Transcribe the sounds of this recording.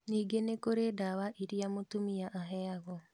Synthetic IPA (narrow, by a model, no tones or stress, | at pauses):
niːɡenekoɾedaβaʔiɾiamotumiaʔaɦeaɣo